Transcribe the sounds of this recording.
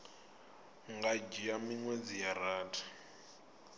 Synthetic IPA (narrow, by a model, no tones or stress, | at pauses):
ŋɡad͡ʒiamiŋwed͡zijaraːtʰḁ